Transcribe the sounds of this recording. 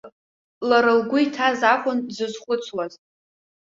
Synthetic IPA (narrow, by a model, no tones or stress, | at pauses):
laɾɨlɡʷʊitʰazaχʷʼʊnzɨzχʷʊt͡sʰwaz